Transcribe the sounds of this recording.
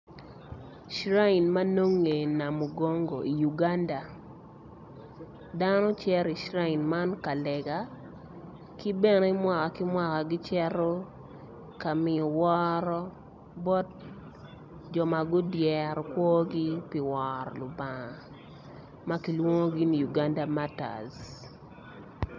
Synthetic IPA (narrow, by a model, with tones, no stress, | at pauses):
ʃɾa˦i˨nma˦no˦ŋːe˨na˨mo˨ɡɔ˦ŋɡo˨i˨ju˨ɡa˦nda˨ | da˦nɔ˦t͡ʃjɛ˦ɾi˨ʃɾa˦i˨nma˦nka˨lɛ˨ɡa˨ | ki˦bɛ˦ne˦mwa˨ka˨kɪ˦mwa˨ka˨ɡɪ˦t͡ʃɛ˦ɾo˦ | ka˨mɪ˨ɔ˨wɔ˦ɾɔ˦ | bɔ˦t̚ | d͡ʒɔ˨ma˨ɡʊ˦djɛ˨ɾɔ˨kwo˦ɡi˦pɪ˨wɔ˨ɾɔ˨lʊ˨ba˨ŋa˨ | ma˦ki˨lwo˦ŋo˦ɡi˦ni˨ju˨ɡa˦nda˦ma˦ta̰˨z